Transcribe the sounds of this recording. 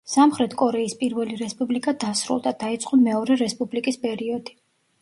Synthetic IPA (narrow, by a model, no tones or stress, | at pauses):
samχɾɛt̪ʰkʼɔɾɛispʼiɾvɛliɾɛspʼublikʼad̪asɾṵlˠd̪ad̪̥ait̪sʼqʼɔmɛɔɾɛɾɛspʼublikʼispʼɛɾiɔd̪̥i